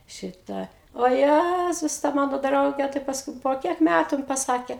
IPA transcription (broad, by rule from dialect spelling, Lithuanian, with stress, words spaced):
ˈʃʲɪtɑː oː ˈjæzʊs tɐ ˈmɑːnoː ˈdrɐʊɡʲɛ tɐɪ pɐsˈkʊɪ poː ˈkʲiɛk ˈmʲætʊ jɪn pɐˈsɑːkʲɛ